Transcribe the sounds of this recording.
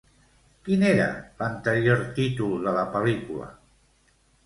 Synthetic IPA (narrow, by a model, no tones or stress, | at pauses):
kineɾa̰lant̪əɾjoɾt̪it̪uld̪əlapəlikula̰